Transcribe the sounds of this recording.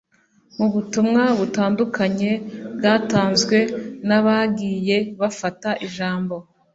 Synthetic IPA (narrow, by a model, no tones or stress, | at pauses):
muβutumŋaβutaːndukaɲe̞bɡaːtaːnzɡwe̞naβaɡiːje̞βafataʔiʒaːmbo̞